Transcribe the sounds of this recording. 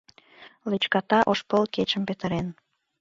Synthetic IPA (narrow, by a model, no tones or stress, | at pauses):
let͡ɕkɑt̪ɑʔoʃpəlket͡ɕəmpet̪ə̆ɾen